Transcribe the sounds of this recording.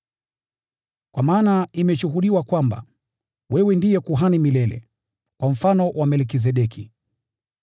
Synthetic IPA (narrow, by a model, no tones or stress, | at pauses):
kwamaːnaimɛʃuɦuɗiwakwamba̰ | wɛwɛndijɛkuɦanimilɛlɛ̰ | kwam̩fanɔwʔamɛlk̬is̬ɛɗɛki